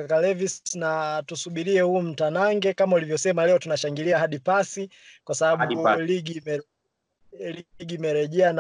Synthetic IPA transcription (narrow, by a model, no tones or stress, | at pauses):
kalɛvistnatusuɓiɾiɛhuːm̩tanaŋɡɛkamaulivjɔsɛmalɛɔtunaʃaŋɡiliaɦaɗipasi | kwasaɓaɓuliɡiɛ | liɡiːmɛɾɛʄɛan